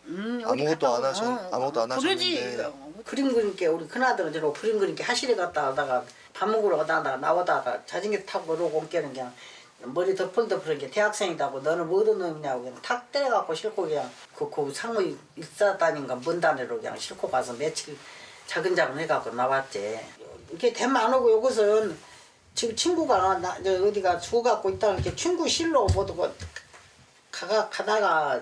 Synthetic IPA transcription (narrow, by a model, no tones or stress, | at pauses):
ɯt͈ | ɾɯd͡ʑi | kɯɾimɡɯɾink͈euɾikʰɯnadɯɾɯnd͡ʑenopʰɯɾimɡɯɾiŋkehaɕʰiɾekat̚t͈aadaɡa | pamːuɡuɾokanandaɡana̰wʌdaɡa̰t͡ɕad͡ʑiŋɡetʰaɡoɾokomk͈enɯnkɯɲaŋ | mʌɾitʌpʰɯndɯpʰɯɾɯnɡeteɦak̚s͈ʰeŋidaɡonʌnɯnmʌdɯnɯnkɯɲaɡokɯɲaŋtʰak̚t͈eɾeɡak͈oɕʰiɭkʰokɯɲaŋkɯkɯsʰaŋui | is͈ataɲiŋɡanbɯndaneɾokɯɲa̰ŋɕʰiɭkʰokasʰʌmet͡ɕʰit͡ɕaɡɯnd͡ʑaɡɯneɡak͈onabat̚t͡ɕ͈eiɡetemanoɡojoɡɯs̬ʰɯn | t͡ɕit͡ɕʰinɡuɡanaeɯdiɡasuɡak͈oit͈ankʰet͡ɕʰuŋɡuɕʰiɭːopodoɡo | kʰaɡakʰadaɡa